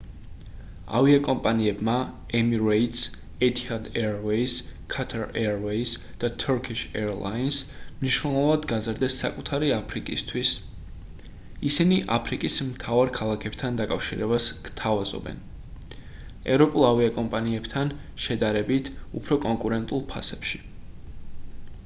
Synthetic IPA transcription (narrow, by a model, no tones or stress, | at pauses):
a̰viakʼɔmpʼaniɛbma | ɛmiɾɛit̪s | ɛt̪ʰʼihad̪ɛɾvɛiskʰat̪ʰaɾɛɾvɛis | d̪̥at̪ʰɔɾkʰiʃɛɾlˠa̰insmniʃwnɛlˠɔɔvad̪ɡazɾd̪ɛsːa̰kʼut̪ʰaɾiapʰɾikʼist̪ʰwis | isiniʔa̰pʰɾikʼismt̪ʰavaɾkʰalˠakʰɛb̥t̪ʰand̪akʼafʃiɾɛbaskt̪ʰavazɔ̰bɛ̰n | ɛ̰vɾɔpʼulˠaviakʼɔmpʼaniɛbt̪ʰan | ʃɛd̪aɾɛbit̪ʰṵpʰɾɔkʼɔŋkʼuɾɛnt̪ʼulˠpʰa̰sɛpʃi̥